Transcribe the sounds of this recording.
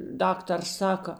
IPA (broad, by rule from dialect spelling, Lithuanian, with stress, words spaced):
ˈdɑːktɐrs ˈsɑːkɐ